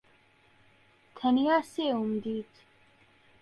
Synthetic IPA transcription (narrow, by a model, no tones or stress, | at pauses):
t̪ʰənijaseumd̪it̪ʰ